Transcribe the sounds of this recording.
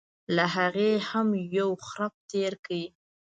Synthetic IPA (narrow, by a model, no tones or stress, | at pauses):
laɦaɣehamjawxɾap̚t̪eɾkawi